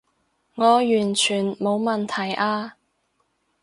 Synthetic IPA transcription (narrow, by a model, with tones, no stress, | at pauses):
ŋɔː˨˧jyː˨˩nt͡ʃʰyː˨˩nmo˨˧wmɐ˨nt̪ʰɐ˨˩jʔaː˧